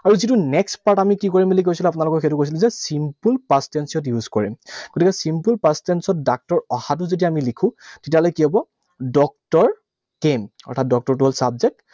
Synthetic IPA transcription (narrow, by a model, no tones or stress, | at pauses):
aɹuzitunɛkstpaɹtamikikoɹimilik̬ojsilɛ̃apʊnalʊkɔxetʊkojs̬ilũzɛsimpulpastensiɔt̬juzkɔɹḭmɡ̥otikɛsimpulpastensɔt̚dak̚tɔɹɔhat̬ʊzet̬iaːmilikʰʊ̃tetialojkiɦɔbɔ | dɔk̚tɔɹ | kemɔ̰ɹtʰat̚dɔk̚tɔɹtʊɦolsabzek̚t